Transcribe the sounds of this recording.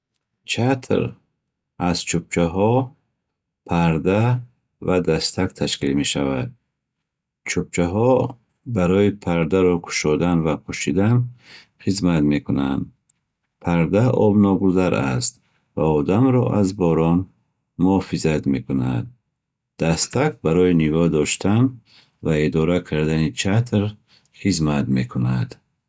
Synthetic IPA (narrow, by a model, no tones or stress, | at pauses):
t͡ʃʰat̪ʰɾ | az̥t͡ʃʰup̚t͡ʃʰaɦɔ | pʰaɾd̪a | vad̪ast̪ʰakt̪ʰaʃkilme̞ʃavad̪̚ | t͡ʃʰup̚t͡ʃʰaɦɔ | baɾɔipʰaɾd̪aɾɔkʰu̥ʃɔd̪anvapʰuʃid̪an | χizmat̪me̞kʰunand̪ | pʰaɾd̪aʔɔbnɔɡuzaɾʔa̰st̪ | vaɔd̪amɾɔ̰ʔazbɔɾɔn | muɔfizat̪me̞kuna̰d̪̚ | d̪̥ast̪ʰak̚baɾɔinivɔd̪ɔʃt̪ʰan | vaed̪ɔɾakʰaɾd̪anit͡ʃʰat̪ʰɾ | χizmat̪me̞kʰunad̪